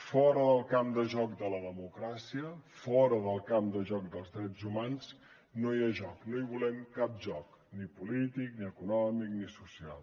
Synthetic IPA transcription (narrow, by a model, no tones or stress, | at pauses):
fɔɾəðəlˠkamd̪əʒɔk̚d̪ələðəmukɾasiəfɔɾəðəlˠkamd̪əʒɔk̚d̪əlˠzðɾɛd͡zumanz | noiaʒɔknoiβulɛmkap̚ʒɔk | nipulit̪ikniəkunɔmiknisusialˠ